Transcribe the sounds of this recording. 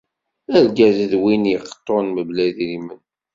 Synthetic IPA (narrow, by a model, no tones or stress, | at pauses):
æɾɡæðəðwinjəχə̥t̪ˤːonməblæðɾimən